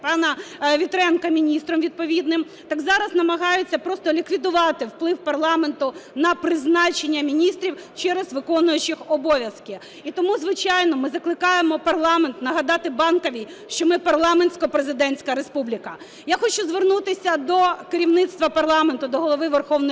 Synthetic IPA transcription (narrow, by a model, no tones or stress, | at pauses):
pɑnɐʋʲit̪ɾɛnkɐmʲinʲist̪ɾɔmʋʲid̪̚pɔʋʲid̪nɪm | t̪ɑɡzɑɾɐznɐmɐɦɑjʊt͡sʲːɐpɾɔst̪ɔlʲikʋʲid̪ʊʋɑt̪ɪwplˠɪwpɐrlˠɑme̞nt̪ʊnɐpɾɪznɑt͡ʃenʲːɐmʲinʲist̪ɾʲiwt͡ʃɛɾezʋɪkɔnʊjʊt͡ʃɪxɔbɔʋʲjɐskɪ | it̪ɔmuzʋɪt͡ʃɑjnɔmɪzɐklˠɪkɑjemɔpɐrlˠɑment̪nɐɦɐd̪ɑt̪ɪbɑnkɔʋʲij | ʃt͡ʃɔmɪpɐrlˠɑmenʲsʲkɔpɾezɪd̪ɛnʲsʲkɐɾespublʲikɐ | jaxɔt͡ʃʊzʋernut̪ɪsʲɐd̪ɔkeɾʲiwnɪt̪st̪ʋɐpɐrlˠɑment̪ʊd̪ɔɦɔlˠɔʋɪʋerxɔwnɔ